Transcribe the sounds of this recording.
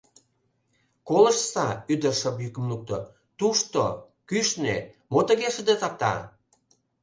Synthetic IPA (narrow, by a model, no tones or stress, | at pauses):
kolə̆ʃsɑyd̪ərʃəpjykəmnuk̚t̪o̰ | t̪uʃt̪o̰ | kyʃnḛ | mot̪ə̆ɣeʃə̆d̪et̪ɑp̚t̪ɑ̰